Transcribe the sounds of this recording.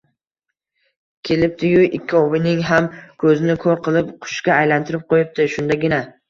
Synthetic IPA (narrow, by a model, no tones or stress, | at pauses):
kʲʰe̞lɪp̚t̪ʰɪjʊʔɪkʲʰːɒvɪnɪŋɦamkʰɵzɪnɪkʰoɾqʰɨlˠɪpqʰʊ̥ʃkʲaːjlant̪ʰɪɾɪp̚qʰojɪp̚t̪ʰɪʃʊnd̪aɡʲɪna